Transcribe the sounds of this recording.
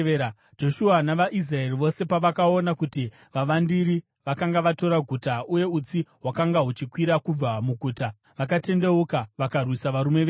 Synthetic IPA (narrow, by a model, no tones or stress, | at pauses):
d͡ʒo̞ʃuanaʋaʔis̬rae̞riʋo̞se̞paʋakao̞nakuti | ʋaʋandiɾi | ʋakaŋɡaʋato̞ɾaɡʱutauje̞ut͡siɦwakaŋɡaɦut͡ʃikwiɾakub͡vamuɡʱuːta | ʋakate̞nde̞ukaʋakarwisaʋaɾume̞ʋe